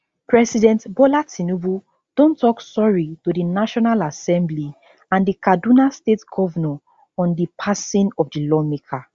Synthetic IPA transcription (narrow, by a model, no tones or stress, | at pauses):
pʰɹɛsidɛ̃ntbɔlatinuvu | d̥õntʰːɔksɔɹitodinaʃɔnalasɛ̃mbli | ãndikadunastetɡ̥ɔvənə | ɔ̃ndipʰasĩnɔvdilɔmekʰa